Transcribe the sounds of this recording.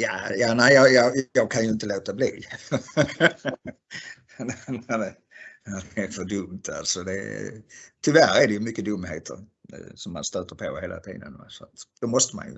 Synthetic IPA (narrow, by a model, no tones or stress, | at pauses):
ja̰ːjɑːnæɪjɑjɑjɑːɡ̚kʰanjɵɪnt̪əloːt̪abliː | nnadɛ | ad̪ɛæfœdɵmt̪ʰa̰lsɔd̪ɛ | t̪ʰʏvæɾædɛjɵmʏkːəd̪ɵmːhḛːt̪ʰə̰ɾsɔmːa̰nst̪øːt̪əɾpʰoheːlʔa̰t̪ʰḭːd̪ənva̰sɔat̪d̪̥ɛmɔst̪əma̰njɵ̰